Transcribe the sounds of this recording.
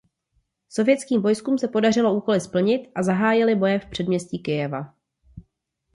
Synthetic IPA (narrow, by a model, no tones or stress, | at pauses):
so̞vjɛtt͡skiːmvo̞jskuːmsɛpo̞darɪlo̞uːko̞lɪspl̩ɲɪt̪ʔazaɦaːjɪlɪbo̞jɛfpr̝̥ɛdmɲɛsciːkɪjɛva